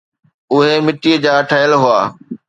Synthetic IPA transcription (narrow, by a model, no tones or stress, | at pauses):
ʊɦemɪʈiːəd͡ʑaːʈʰaːjəlɦʊaː